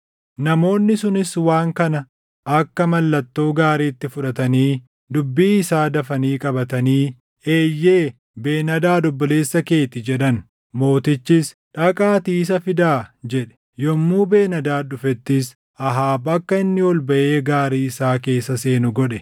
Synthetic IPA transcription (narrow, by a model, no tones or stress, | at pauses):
nɐmo̞ːnːɪsʊnɪswaːŋkɐnɐ | ʔɐkːɐmɐlːɐt̪ːo̞ːɡaːɾiːt̪ːɪfʊᶑɐt̪ɐniː | d̪ʊbːiːɪsaːd̪ɐfɐniːkʼɐbɐt̪ɐniː | e̞ːjːe̞ː | be̞ːnɐd̪aːd̪ɔbːɔle̞ːsːɐke̞ːt̪ɪd͡ʒɛᶑɐn | mo̞ːt̪ɪt͡ʃːɪs | ᶑɐkʼaːt̪iːs̬ɐfɪd̪aːd͡ʒɛᶑɛ̥ | jɔmːuːbe̞ːnɐd̪aːᶑʊfɛt̪ːɪs | ɐɦaːbɐkːɐɪnːɪwɔlbɐʔeːɡaːɾiːɪsaːke̞ːsːɐse̞ːnʊɡɔᶑɛ